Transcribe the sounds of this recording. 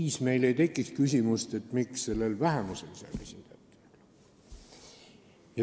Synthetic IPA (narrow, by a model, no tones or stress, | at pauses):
iːsme̞jle̞jt̪e̞kːˑikskysʲimust̪e̞t̪ːˑmiksːe̞lːelvæɦe̞muselsɑ̰lesʲind̪̥æt̪ːˑe̥l | jɑ